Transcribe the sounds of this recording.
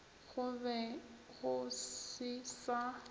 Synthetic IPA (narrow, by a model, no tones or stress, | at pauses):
ɣʊbɛɣʊsɪsa